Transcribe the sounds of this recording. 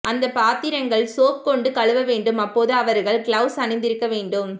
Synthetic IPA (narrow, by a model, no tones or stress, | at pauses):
ʔɐnd̪ɐpaːt̪ɪɾɐŋɡɐɭsoːk̚kɔɳɖɯkɐɭɯʋɐʋeːɳɖɯmɐpːoːðɯɐʋɐɾɣɐɭkɭɐʊsɐnɛɪnd̪ɪɾɯkːɐʋeːɳɖɯm